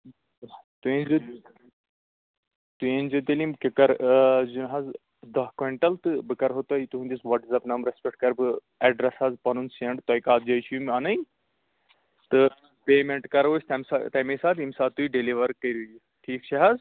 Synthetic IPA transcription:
t̪uĩnzɨ | t̪uenʲzɨt̪elimkʲekɐɾzunɦɐz | d̪ɐɦkʋɐɳʈɐlt̪ɨbɨkɐɾɦot̪ɐjt̪uɦũnd̪isʋɐʈzɐpnɐmɾespʲɛk̚ʈ̚kɐɾbɨ | ɛɖɾɐsɐːzpɐnunsiɐɳɖt̪ɐjkaːt̪d͡ʒɐjt͡ʃʰumʲanɐj | t̪ɨ | peːmeɳʈkɐɾʋosʲt̪ɐmsat̪ɐmesaːt̪imsaːt̪ːuiɖeliʋɐɾkɐɾuji | ʈʰiːkt͡ʃʰɐɦɐz

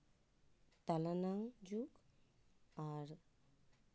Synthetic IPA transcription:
t̪alanaŋd͡ʒuk | aɾ

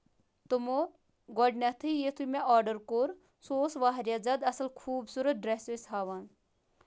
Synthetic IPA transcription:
t̪umo | ɡɔɖnɐt̪ʰɨjet̪ʰumeʔɔːɾɖəɾkoɾ | soːsʋaɦɾjad͡zɐd̪ɐsɐlkʰuːbsuɾət̪̚ɖɾesesɦaːʋan

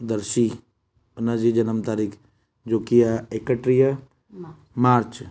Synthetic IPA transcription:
d̪əɾʃi | ənad͡ʒid͡ʒɐnəmt̪aːɾiːkʰ | d͡ʒoːkiaekəʈɾija | maːɾt͡ʃ

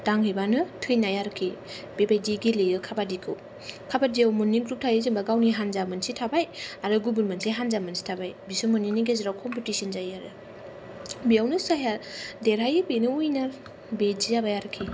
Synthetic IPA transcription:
d̥aŋɦɯjbanɯtʰɯjnajaɾkʰːi | b̥ebajdiɡilejɯkʰabadikʰɯw | kʰabadiawmunːiɡɾup̚tʰajɯzimbaɡawniɦanzamɯnsitʰabajaɾɯɡubulmanseɦanzamansi̥tʰabajbisumunːiniɡeziɾawkʰɔmpitisinzajaɾɯ | bijawnɯsaɦjaɾdeɾɦajɯbenɯujnaɾ | beziabajaɾɯkʰːi

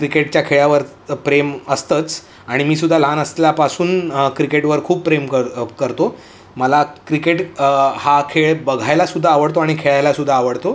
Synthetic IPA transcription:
kɾikeʈt͡ɕjakʰeɭjaʋəɾ | pɾeməst̪ət͡s | aɽ̃imiːsud̪ʱːalanəsleljapasuːnkɾikeʈʋəɾkʰuːppɾemkəkəɾt̪o | məlakɾikeʈhakʰeɭbəɡʱajlasud̪ʱːaːʋəɽt̪oaɽ̃ikʰeɭajlasud̪ʱːaːʋəɽt̪o

